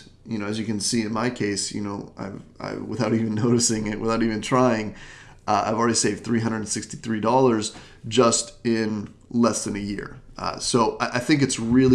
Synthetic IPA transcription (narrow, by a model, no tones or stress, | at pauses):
jɨñoʊɨzjɨkɨ̃nsiɨ̃nmaɪkʰeɪsjɨ̰noʊʔa̰ɪva̰ɪwə̰θaʊɾiṽnːoʊɾɨsɪ̃ŋɪt̚wɨθaʊɾivɨ̃ntʰɹ̥aɪɪ̃ŋ | ʔa̰ɪvl̩ˠɹɛɾiseɪvd̥̪θɹiɦʌ̃ndɹə˞ɾn̩sɪkstiθɹidɔlˠə˞z | d͡ʒʌstɪ̃n | lɛsðɨ̃nɨjɪ̰ɹ̰soʊʔaɪʔaɪθɪ̃ŋk̬ɨtsɹɪlˠi